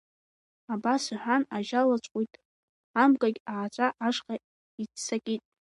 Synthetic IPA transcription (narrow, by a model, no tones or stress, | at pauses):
abasɨħʷᶣanaʒalat͡ʃʷʼqʷʼujtʼ | amɡʼaɡʲaːt͡ʃʷʼaʔaʂqʼa | it͡ssakʲʼitʼ